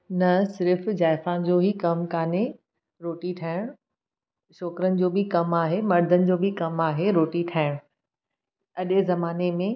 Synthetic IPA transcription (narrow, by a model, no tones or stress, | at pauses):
nɐsɪɾfd͡ʑaːɪfãd͡ʑoːɦikɐmkaːne | ɾoːʈiʈʰaːɪɽ̃ | ʃɔːkɾənɪ̆d͡ʑoːbɪkɐmaːɦemɐɾd̪ʱənɪ̆d͡ʑoːbɪkɐmaːɦeɾoːʈiʈʰaːɪɽ̃ | ɐɗzɐmaːnemẽ